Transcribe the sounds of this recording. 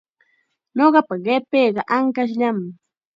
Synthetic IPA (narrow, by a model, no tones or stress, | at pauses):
ɲoɢɑpaɢepeːɢɑʔaŋkaʃ̬ʎamɪ